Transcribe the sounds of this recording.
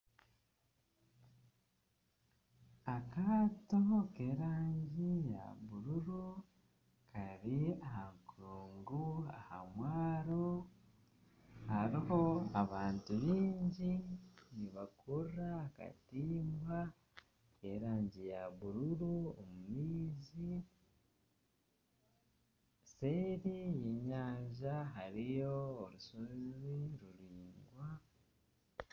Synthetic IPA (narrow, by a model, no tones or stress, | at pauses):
akaːtoke̞ɾaːɲɟija̰βuɾuɾu | kʰaɾiahaŋkuɾuːŋɡuaha̰mwaːɾo | haɾiho̞aβaːntuβiːɲɟiniβakʰurraːka̰tiːmba | eɾaːɲɟijaβuɾuɾuo̰mumiːzi | seɾijiɲaːɲʒaɦaɾijoːɾusozβiɾuɾiːŋɡwa